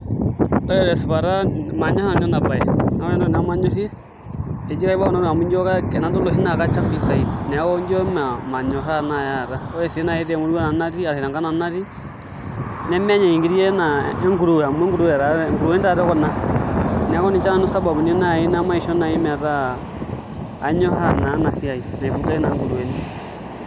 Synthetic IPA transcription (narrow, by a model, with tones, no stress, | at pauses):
ɔ˦ɾɛ˦ɾɛ˨si˨βa˨ɾa˦ma˨ɲɔ˦ha˨n˦ɔ˦na˨ba˨ɛ˨na˨˦ɔ˦nɛ˦ndɔ˨n˦a˦ma˦ɲo˦si˦e˦ | e˨d͡ʒi˦ka˦i˦ba˦ɔ˦na˦˨a˨mu˦ɲd͡ʒɔ˦ka˦kɛ˨na˨˦do˦lo˨si˦na˨ka˦t͡ʃa˦fi˦sa˨i˦nɛ˨a˦kɔ˦ɲd͡ʒɔ˦ma˨ma˨ɲɔ˨sa˦na˨ja˦˨ɾa˦ɔ˦ɾɛ˨sna˨e˦tɛ˨mu˦ɾu˦na˨na˦ɾi˦a˨ɾi˨ɾa˨ŋɡa˦na˨na˦ɾi˦ | nɛ˦m˦ɲa˨i˨ŋɡi˦ɾi˦e˦naɛ˦ŋɡu˦ɾu˨a˨mwɛ˦ŋɡu˦ɾu˦wɛ˨ɾa˨ŋɡu˨ɾu˨ɛ˦ni˦ta˨ɾɛ˦kɔ˦na˦ | nɛ˨a˦kɔ˦ni˨t͡ʃa˦na˨no˦sa˦ba˨bu˨ne˦na˦˨i˦na˦ma˦i˨ʃɔ˦na˨i˦mɛ˨a˨ɾa˦˨ | ɲɔ˦ɦa˦na˨˦na˨si˦a˨i˨na˨e˨fu˨la˦i˦na˨ŋɡu˨ɾu˨ɛ˨ni